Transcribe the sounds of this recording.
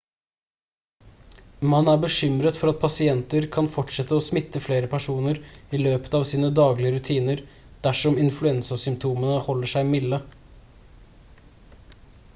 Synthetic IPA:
mɑnæːbəʃʏmɾət̪fɔɾɑt̪̚pʰɑsɪɛnt̪əɾkʰɑnfɔʈʂɛt̪ːəoːsmɪt̪ːəfleːɾəpʰæʂuːnəɾiløːpə̥t̪ɑːʋsiːnəd̪ɑːɡlɪəɾʉt̪ʰiːnəɾ | d̪̥æʂɔmɪnflʉɛnsɑsʏmp̚t̪ʰuːmənəhɔlːəʂæɪmɪlːə

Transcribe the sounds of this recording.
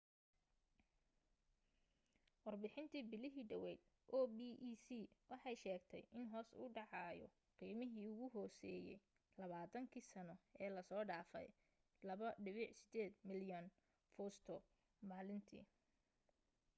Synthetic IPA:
wɑrbɪħɪnt̪ʰiːbɪlɪɦiːɖɐwɛjd̪ | ʔɔːbiʔiːsiːwɑħɑjʃɛːɡt̪ʰɛ̰jʔɪnɦɔːsʊ̰ːɖɑʕɑːjɔ̰ | qiːmɪɦiːʊɣʊɦɔːsɛːjɛ̰j | lɐβaːt̪ʰɐŋkʰiːsɐnɔɛːlɐsɔːɖaːfɛ̰j | lɐβɐɖɪβɪħsɪd̪ɛːd̪mɪljɐn | fɔːst̪ʰɔ | maːlɪnt̪ʰḭː

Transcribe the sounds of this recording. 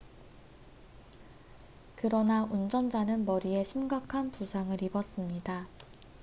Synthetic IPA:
kɯɾʌnaund͡ʑʌnd͡ʑanɯnmʌɾie̞ɕʰimɡakʰanpusʰaŋɯɾibʌs͈ɯmɲida

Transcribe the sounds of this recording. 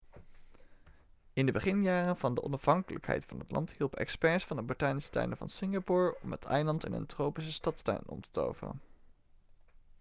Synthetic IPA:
ɪndəbəχɪnjaːrənvɑndəʔɔnɑfɦɑŋkələkɦɛ̰jtfɑnɦətlʔɑ̰nthilˠpɛ̰kspɛɹsfɑnəbɔɹtaːnistœ̰ɥnəvɑ̰nsɪŋapʊɹɔmətʰɛjlɑntɛnə̰ntrowpis̬əstɑtstœ̰ɥnɔ̰mtə̥to̰wvərə̰n

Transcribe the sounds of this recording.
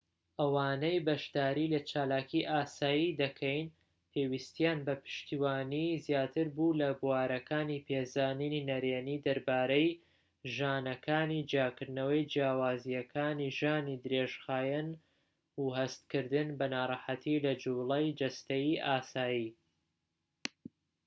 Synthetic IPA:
ʔɐwaːnejbɐʃd̪aːɾilɐt͡ʃʰaːlaːkiʔaːsaːjid̪ɐkʰɐjn | pʰeːwist̪jaːnbɐpʰɨ̥ʃt̪iwaːnizjaːt̪ʰɨɾbulɐbuwaːɾɐkʰaːnipʰezaːnininɐɾeːnid̪ɐɾbaːɾej | ʒaːnɐkʰaːnid͡ʒjaːkɨɾd̪nɐwɐjd͡ʒjaːwaːzijɐkʰaːniʒaːnid̪ɨɾeʒxaːjɛn | uhɐst̪kɨɾd̪ɨnbɐnaːɾˤɑħat̪ʰilɐd͡ʒublˠejd͡ʒɐst̪ejiʔaːsaːji

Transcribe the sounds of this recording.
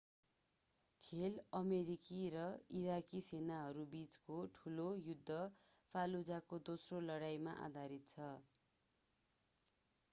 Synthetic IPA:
kʰelʌmeɾikiɾʌiɾakisenaɦʌɾubit͡skoʈʰulojud̪ʱːʌpʰalud͡zakod̪osrolʌɽajmaʔa̰d̪ʱaɾit̪̚t͡sʰʌ

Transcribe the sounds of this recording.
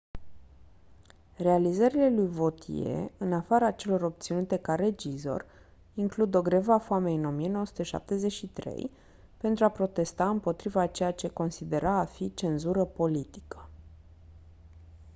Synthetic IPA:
re̞alizəɾile̞lujvo̞t̪ʰije̞̰ɨnafaɾaːt͡ʃe̞lo̞ɾo̞p̚t̪sinut̪e̞kaɾe̞d͡ʒizo̞̰r | iŋklud̪o̞ɡɾe̞vafoame̞ɨno̞mije̞nowsu̥t̪eʃa̰p̚t̪e̞ze̞t͡ʃʲʃit̪ɾe̞̰j | pe̞nt̪ɾuapɾo̞t̪e̞st̪aɨmpo̞t̪ɾivat͡ʃe̞jat͡ʃe̞ko̞nsid̪e̞ɾaːfit͡ʃe̞nzuɾəpo̞lit̪i̥kʰə̥

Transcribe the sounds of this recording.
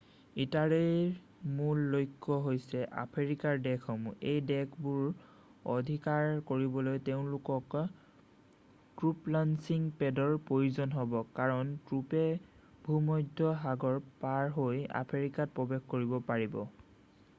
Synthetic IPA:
itaɹej | mulːojkʰːɔɦojsɛʔa̰pʰeɹikaɹdɛkʰɔmejdɛkʰbuɹ | o̰dʱikaɹkoɹibɔlojteʊ̃lʊkɔk | tɹuplansiŋpɛdɔɹpɹojuzɔnɦɔbɔkaɹɔntɹupɛ | bʱumɔjdʱːɔɦaɡɔɹpaɹɦoja̰pʰeɹikat̚pɹɔbexkoɹibɔpaɹibɔ

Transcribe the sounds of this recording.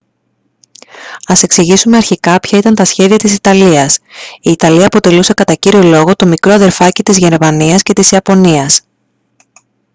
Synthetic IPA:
ɐse̞ksiʝisume̞ɐɾçikɐpçɐit̪ɐnt̪ɐsçe̞ðiɐt̪isit̪ɐliɐsiːt̪ɐliɐːpo̞t̪e̞luse̞kɐt̪ɐciɾio̞lo̞ɣo̞t̪o̞mikɾo̞ɐðe̞ɾfɐcit̪izʝe̞ɾmɐniɐsce̞t̪isiɐpo̞niɐs

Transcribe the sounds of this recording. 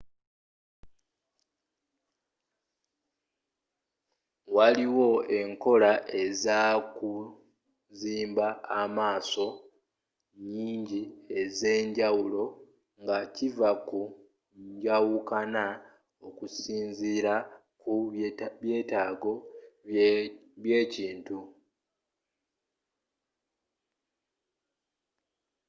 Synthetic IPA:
waliwo̞e̞ŋko̞laʔe̞zaku | ziːmbaːmaːso̞ | ɲiːɲɟie̞ze̞ːɲɟawulo̞ | ŋɡacivaku | ɲɟawukana | okusiːnziɾa | kuβje̞ːtaːɡo̞ | βje̞ːciːntu

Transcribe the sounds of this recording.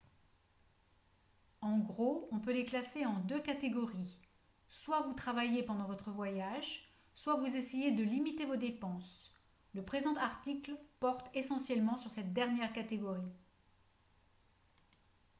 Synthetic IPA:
ɑ̃ɡʁoɔ̃pøleklaseɑ̃d̪økat̪eɡɔʁi | swavut̪χavajepɑ̃d̪ɑ̃vɔt̪χəvwajaʒ | swavuzesejed̪əlimit̪evod̪epɑ̃s | ləpχezɑ̃t̪aʁt̪iklpɔʁt̪esɑ̃sjɛlmɑ̃syʁsɛt̪̚d̪ɛʁnjɛʁkat̪eɡɔʁi

